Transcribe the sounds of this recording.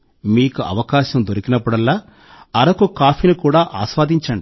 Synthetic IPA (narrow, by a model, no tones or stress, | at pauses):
miːkuʔɐ̰ʋɐkaːʃɐmd̪oɾikinɐpːuɽɐlːaː | ɐɾɐkukaːpʰinukuːɽaːʔaːsʋaːd̪ʱiɲt͡ʃɐɳɖi